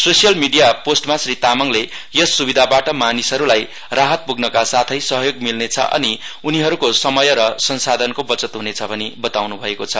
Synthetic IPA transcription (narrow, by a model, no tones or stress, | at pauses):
sosijʌlmiɖijaposʈmasrit̪amʌŋle | jʌsːubid̪ʱabaʈʌmanisɦʌɾulaj | raɦʌt̪̚puɡnʌkasat̪ʰʌjsʌɦʌjoɡmilnet͡sʰʌ̰ʔʌ̰niuniɦʌɾukosʌmʌjʌɾʌsʌnsad̪ʱʌnkobʌt͡sʌt̪ɦunet͡sʰʌbʱʌnibʌt̪awnubʱʌekot͡sʰʌ